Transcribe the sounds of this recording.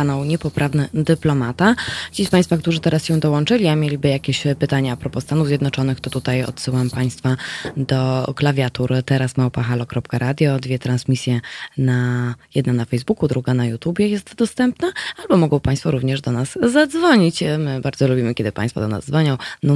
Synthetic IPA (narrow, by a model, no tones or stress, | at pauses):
anawɲɛpɔpɾʔavnɘd̪ɘplɔmat̪at͡ɕispaj̃st̪fak̚t̪uʐɘt̪ɛɾasɕɛ̃d̪ɔwɔnt͡ʂɘlʲiamʲjelʲibɘjakʲeɕpɘt̪aɲaapɾɔpɔst̪anuvzʲjɛd̪nɔt͡ʂɔnɘxt̪ɔt̪ut̪ajɔ̰t̪sɘwampaj̃st̪fad̪ɔklavʲjat̪uɾt̪ɛɾasmawpaxalɔkɾɔpkaɾad̪ʲjɔd̪vʲjɛt̪ɾansmʲisʲjɛnajɛd̪nanafɛjzbukud̪ɾuɡanajut̪ubʲjɛjɛst̪d̪ɔst̪ɛmpnaalbɔmɔɡɔ̃w̃paj̃st̪fɔɾuvɲɛʐd̪ɔnasːad̪zvɔɲit͡ɕmɘbaɾd̪zɔlubʲimɘkʲɛd̪ɘpã̰j̃st̪fɔ̰d̪ɔ̰na̰zd̪zvɔɲɔ̃w̃n